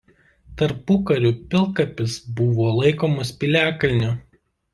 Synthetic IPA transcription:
t̪ɐɾpʊkɐɾʲʊpʲɪlˠkɐpʲɪsbʊʋoːlˠɐɪkoːmɐspʲiˑlʲæːkɐlʲnʲʊ

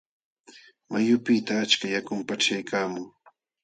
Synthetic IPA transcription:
majʊpɪt̪aːt͡ʃkajakʊmpaʈ͡ʂajkaːmʊŋ

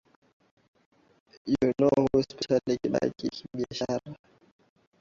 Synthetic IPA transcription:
junohuspɛʃalikiɓa̰kikiɓiaʃaɾa

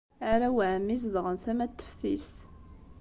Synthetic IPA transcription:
aɾæwʕəmːis̬ðʁənθæmæt̪ːə̥fθist̪

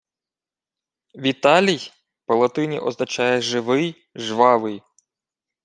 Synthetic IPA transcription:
ʋʲit̪ɑlʲij | pɔlˠɐt̪ɪnʲḭʔɔznɐt͡ʃɑjɛʒɪʋɪj | ʒʋɑʋɪj

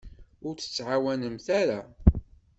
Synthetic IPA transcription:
ʊɾθə̥t͡sːʕawænəmθæɾa

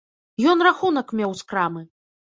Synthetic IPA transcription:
jɔnraxunɐkmʲɛwskɾamɨ

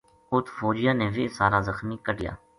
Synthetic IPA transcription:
ʊt̪ʰfoːd͡ʒɪjãːnẽːʋɪːsaːɾaːzəxmiːkəɖɪja̰ː

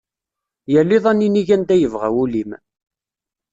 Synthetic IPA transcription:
jælːiðˤænːiniʝænt̪æjəvʁæ̰wulim

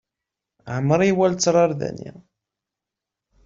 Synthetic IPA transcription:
ʕəmːəɾˤiwælt͡sːɾˤɑɾˤðæ̰nḭ

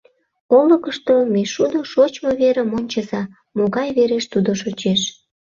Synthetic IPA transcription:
oləkəʃt̪omeʃud̪oʃot͡ɕmoβeɾemonʲt͡ɕəzɑ | moɣɑjβeɾeʃt̪ud̪oʃot͡ɕeʃ

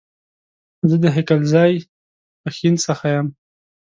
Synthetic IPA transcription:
zəd̪əɦɪkalzɑj | əxinsəxajam

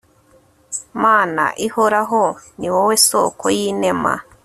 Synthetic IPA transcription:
maːna̰ʔihoɾaɦoniwoweso̰ːkʰojiːnema̰

